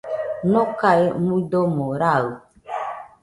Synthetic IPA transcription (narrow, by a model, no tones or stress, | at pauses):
nõkaemudomoɾao